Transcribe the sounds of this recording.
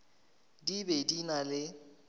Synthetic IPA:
dibedinalɪ

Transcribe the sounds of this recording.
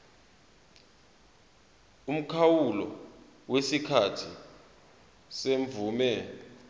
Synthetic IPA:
um̩kʰawulɔ̰ | wesikʰatʰi | seɱvuːmɛ

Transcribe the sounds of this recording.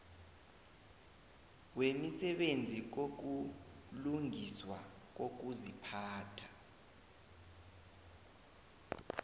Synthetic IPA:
wemisɛɓend͡zʱik̬ok̬uluŋiswa | k̬ok̬uzipʰaːtʰḁ

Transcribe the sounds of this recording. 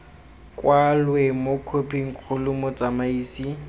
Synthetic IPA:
kʼwalwemokʰopʰʼiŋ̩kʰʊlʊmɔt͡sʼamaiːsi

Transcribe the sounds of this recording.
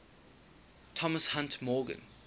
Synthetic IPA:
tʰɔməshãntʰmɔːɡə̰̃n

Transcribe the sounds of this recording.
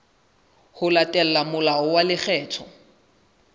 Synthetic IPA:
hʊlatʼɛl̩lamʊlaʊwalɪχɛːtʰɔ

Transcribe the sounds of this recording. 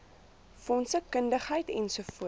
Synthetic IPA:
fɔnsəkəndəχɦəjtɛnsufuə

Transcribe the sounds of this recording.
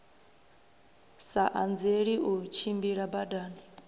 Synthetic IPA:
saʔand͡zeɺiʔut͡ʃʰimbiɺabadaːni

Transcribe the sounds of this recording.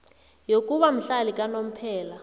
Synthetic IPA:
jokʼuβam̩ɬalik̬ʼanom̩pʰɛːla

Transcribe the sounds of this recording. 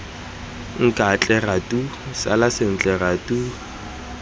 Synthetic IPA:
ŋ̩kʼat͡ɬʼɛratʼusa̰lasɪn̩t͡ɬʼɛratu

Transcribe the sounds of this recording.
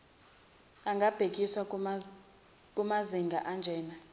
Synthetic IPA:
aŋɡʱab̥ʱek̬ʼiswa | kʼumaziŋɡʱaʔand͡ʒʱɛːna

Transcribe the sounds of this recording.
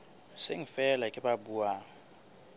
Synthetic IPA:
seŋ̩fɛlakʼɪbabuːaːŋ̩

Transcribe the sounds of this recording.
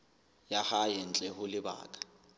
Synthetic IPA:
jahajɪn̩t͡ɬʼɛhʊlɪba̰ːkʼḁ

